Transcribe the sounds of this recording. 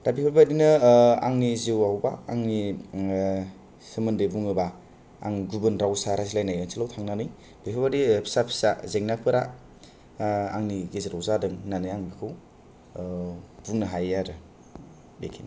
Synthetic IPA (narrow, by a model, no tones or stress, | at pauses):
dabipʰibadinɯaŋnizewahwbaːŋni | sɯmɯndebuŋɯba | a̰ŋɡubɯnɾawsaɾazilajnajansʰilawtʰaŋnanɯj | b̥epʰabadipʰsapʰi̥sazeŋnapʰɯɾa | aŋniɡezɯɾawzadɯŋnanɯjaŋbikʰɯw | buŋnɯɦajaɾɯ | bḛkʰini